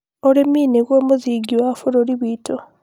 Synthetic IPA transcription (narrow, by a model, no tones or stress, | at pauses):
oɾemiːneɡoːmuziɡiwafuɾoɾiβiːtʰo